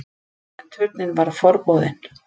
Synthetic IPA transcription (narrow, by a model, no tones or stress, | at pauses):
ɛnt̪ʰʏt̪nɪnvaɾ̥fɔɾpɔːðɪn